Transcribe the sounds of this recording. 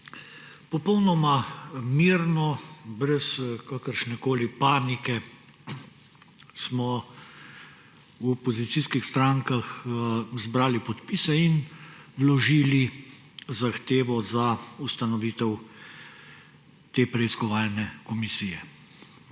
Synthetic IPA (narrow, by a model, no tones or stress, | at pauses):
pɔpɔwnɔmamiːɾnɔbɾɛskakəɾʃnɛkoːlipaːnikɛ | smɔ | wɔpɔzit̪siːskixst̪ɾaŋkaxzbɾaːlipɔt̪piːsɛin | wlɔʒiːli | zaxt̪eːʋɔzaust̪anɔʋiːt̪ɛw | t̪eːpɾɛiskɔʋaːlnɛkɔmisiːjɛ